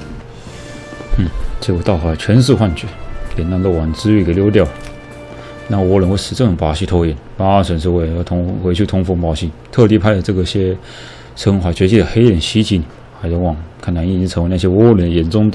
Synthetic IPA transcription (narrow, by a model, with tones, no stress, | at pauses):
t͡ɕɛ˥˩kɔ˨˩t̪ɑ˥˩ʊxwa˨˧˩t͡ɕʰɥɛ˧˥nʂ̬̩˥˧xwa˥˧nt͡ɕʰɛ˥˩˦t̪jɛ˨˩na˧˥˧nt̪o˥˩wɑ˨˩n˨t͡sɻ̩˥ɥy˥˩ke˨˩ljo˥ʊt̪̬jɑ˥˩ʊ | na˥˩wɔ˧˥lə˧˩ŋko˥˩ʂɻ̩˨˩t͡sɤ˥˩ʈ͡ʂʊ˨˩ŋpa˧˥ɕi˥˧˩t̪ʰɔ˥jɛ˨˩npa˥swə˨˩nʂ̩˥we˧˩˧t̪ʰʊ˧˥ŋwe˧˥ɪt͡ɕʰy˥˩t̪ʰʊ˥ŋfɤ˧˥ŋpɑ˧˥ʊɕi˥˩nt̪ʰɤ˥˧t̪i˥˧pʰa˥˩ɪd̪ə˩ʈ͡ʂɤ˥˩ɡə˩i˩ɕjɛ˥ | ʂʰɤ˥ŋxwa˧˥t͡ɕɥɛ˧˥t͡ɕi˥˩d̪ə˩xe˥ɪɻə˨˩nɕi˥t͡ɕi˧˥˩n˨ | xa˧˥jo˧˥wɑ˨˩ŋkʰa˥˩na˧˥ni˥˧t͡ɕi˥ʈ͡ʂʰɤ˧˥ŋ˧˥n˥˩ɕjɛ˥wɔ˧˥˧lə˨˩nd̪ə˧jɛ˨˩nt͡sʊ˥ŋt̪